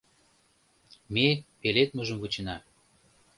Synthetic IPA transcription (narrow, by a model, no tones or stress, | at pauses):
mepelet̪̚mɤʒə̆mvut͡ɕə̆nɑ